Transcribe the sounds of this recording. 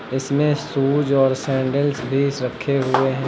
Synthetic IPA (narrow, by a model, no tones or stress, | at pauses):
ɪsmẽsuːd͡ʒɔːɾsɛ̃ːɳɖəlsbʱisɾɐkʰːeɦʊeɦɛ̃ː